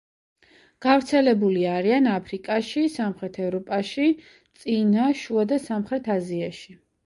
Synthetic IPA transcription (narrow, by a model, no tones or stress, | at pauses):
ɡ̥avɾt̪sʰɛlɛbuliaɾianapʰɾikʼaʃisamχɾɛt̪ʰɛvɾɔpʼaʃi | t̪sʼinaʃuad̪asamχɾɛt̪ʰaziaʃi